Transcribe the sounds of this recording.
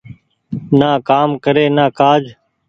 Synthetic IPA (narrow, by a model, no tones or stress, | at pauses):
naːkaːmkəɾeːnaːkaːd͡ʒ